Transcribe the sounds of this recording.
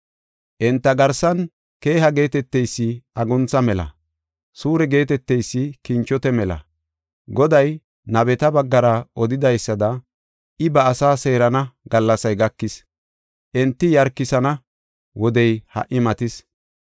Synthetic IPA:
ʔɛnt̪ːɐɡɐɾsɐn | ke̞ːɦɐɡe̞ːt̪ɛt̪ːɛjsːɪɐɡɔnt͡sɐmɛlɐ̰ | suːɾɛɡe̞ːt̪ɛt̪ːɛjsːɪkɪnt͡ʃːɔt̪ɛmɛlɐ̰ | ɡɔd̪ɐj | nɐbɛt̪ɐbɐɡːɐɾɐʔɔd̪ɪd̪ɐjsːɐd̪ɐ | ʔɪbɐːsaːse̞ːɾɐnɐɡɐlːɐsɐjɡɐkːɪs | ʔɛnt̪ːɪjɐɾkːɪsɐnɐ | wɔd̪ɛjhɐ̰ʔɪmɐt̪ɪs

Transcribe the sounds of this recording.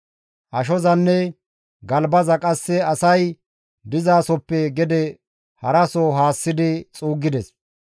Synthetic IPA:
ʔɐʃ̬ɔzɐnːɛ | ɡɐlbɐzɐkʼɐsːɛɐsɐj | d̪ɪzaːsɔpːɛɡɛd̪ɛ | hɐɾɐsɔɦaːsːɪd̪ɪt͡sʼuːɡːɪd̪ɛs

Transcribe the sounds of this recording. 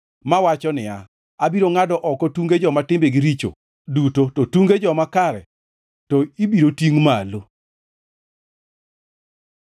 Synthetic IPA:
mawat͡ʃɔnɪja | abiɾoŋadɔʔɔkɔtuŋɡed͡ʒɔmatɪmbeɡiɾit͡ʃo̰ | dutotɔtuŋɡed͡ʒɔmakaɾɛ̰ | tɔibiɾotiŋmalo

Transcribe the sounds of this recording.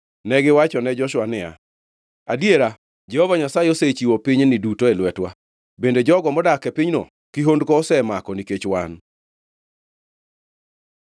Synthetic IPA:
nɛɡɪwat͡ʃɔnɛd͡ʒɔʃwanɪa̰ | adjeɾa | d͡ʒɛhovaɲasajeoset͡ʃiwopiɲnɪdutoelwɛtwa | bended͡ʒɔɡɔmɔdakɛpiɲno̰ | kiɦondkɔːsɛmakɔniket͡ʃwan

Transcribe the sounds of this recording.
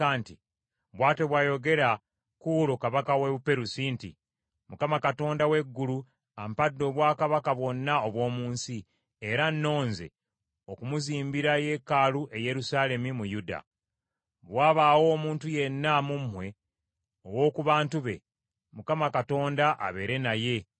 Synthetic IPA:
aːnti | βwaːte̞βwaːjo̞ɡe̞ɾa | kuɾokaβakaweβupe̞ɾusiːntḭ | mukamakato̞ːndawe̞ɡːulu | ampadːo̞ːβwaːkaβakaβwo̞nːaoβwo̞ːmuːnsi | eɾanːo̞ːnze̞̰ | okumuziːmbiɾaje̞kaluʔe̞je̞ɾusaːle̞mimujuda̰ | βwaːβaːwo̞ːmuːntuje̞nːamumːwe̞ | owo̞ːkuβaːntuβe̞ | mukamakato̞ːndaʔa̰βe̞ɾe̞naje̞

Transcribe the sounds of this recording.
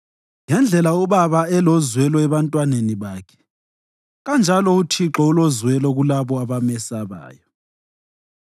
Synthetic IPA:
ŋɛnd͡ɮʱɛlauβaβaɛlɔzwɛlɔɛβantʼwaneniβaːkʰɛ̥ | ɣand͡ʒʱalɔutʰiǁɔulozwɛlɔɣulaβɔaβamɛsaβa̰ːjɔ

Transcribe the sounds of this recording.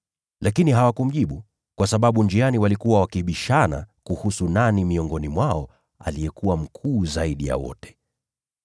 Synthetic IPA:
lʔakiniɦawakum̩ʄiɓu | kwasaɓaɓund͡ʒianiwalikuwawakiɓiʃana̰kuhusunanimiɔŋɡɔnimwaɔ | a̰lijɛkuwam̩kʰuːzaiɗija̰wɔ̰tɛ̥

